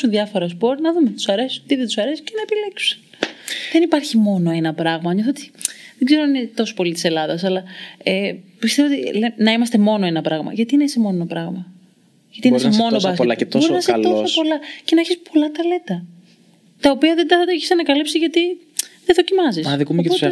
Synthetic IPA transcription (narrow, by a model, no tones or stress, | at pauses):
sunðjɐfo̞ɾɐspo̞ɾt̪nɐðumet̪u̥sɐɾesiot̪iðet̪usɐɾesi̥cenɐepile̞ksu̥sɐ̥ | ðenipɐɾçimo̞no̞e̞nɐpɾɐɣmɐɲoθot̪i̥ðeɡze̞ɾoɐninet̪o̞so̥po̞lit̪i̥se̞lɐðɐsɐlɐepist̪e̞voot̪ilenɐimɐst̪e̞mo̞no̞enɐpɾɐɣmɐ̰ʝɐt̪inesemo̞nonɐpɾɐɣmɐ | ʝɐt̪inesmo̞nobɐsɐt̪oɾnɐsosopo̞lɐce̞neçispo̞lɐt̪ɐle̞t̪ɐ | t̪ɐopiɐðed̪ɐeçisɐnɐkɐlipsizʝɐt̪i | ðeðo̞cimɐzisɐðikumopoe